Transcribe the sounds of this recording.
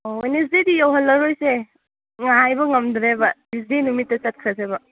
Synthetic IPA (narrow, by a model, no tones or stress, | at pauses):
oojnes̬didijawɦɐlːɐɾojse | ŋaajbɐŋɐmdɾebɐbisdinumitːɐt͡ʃɐt̚kʰɾɐsebɐ